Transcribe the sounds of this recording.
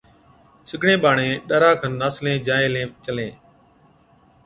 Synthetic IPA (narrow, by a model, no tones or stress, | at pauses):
sɪkɳẽːɓaːɳẽːɗəɾaːkʰənːaːslẽːd͡ʒaːẽːlẽːt͡ʃəlẽː